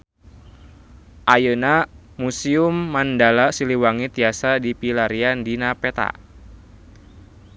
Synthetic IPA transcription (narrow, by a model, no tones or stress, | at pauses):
ʔajəna | musiumːandalasiliwaŋit̪iasadipilaɾiandinapet̪a̰